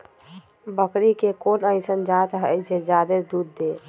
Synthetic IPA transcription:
bəkɾikekonəɪsənd͡ʒat̪ɦəd͡ʒed͡ʒad̪ed̪ud̪ːe

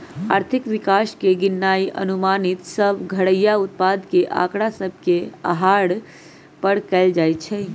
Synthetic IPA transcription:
a̰ɾt̪ʰikʋikaskeɡinːaiʔə̰numanit̪səbʱɡʱəɽəjaut̪̚pad̪keʔa̰kɽasəbʱkea̰ɦaɽ | pəɽkɛld͡ʒajt̪t͡ʃʰɛ

